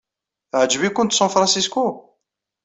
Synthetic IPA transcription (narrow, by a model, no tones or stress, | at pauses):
θʕd͡ʒːvikːʊnt̪sɑ̃nfɾˤɑ̃nsisku